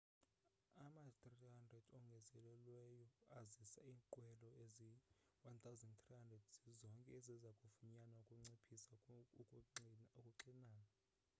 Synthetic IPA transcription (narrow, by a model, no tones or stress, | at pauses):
amat̪rihandrɛdɔŋɡʱɛzɛlɛlwɛjɔazisaiːŋǃwɛlɔeziwant̪ʰawzɛnt̪rihandrɛdzizɔŋkʼɛɛzɛzakʼufuɲanaukʼuŋ͡ǀepʰisa | okʼuǀinaːna